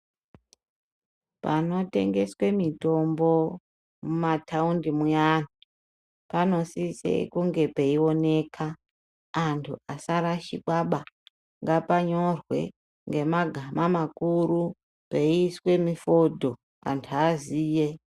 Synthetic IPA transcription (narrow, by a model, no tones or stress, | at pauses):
pa̰no̞te̞̰ŋɡe̞swe̞mito̞mbo̞ | mumatʰaundimujanu | pano̞sisḛkuŋɡe̞peio̞ne̞ːkʰaː | ntʰuasaɾaʃiɓaɓa | ŋɡapaɲo̞rwe̞̰ | ŋɡe̞maɡʱamamakuɾu | peiswe̞mifo̞dʱo̞ | a̰ntʰuaziːje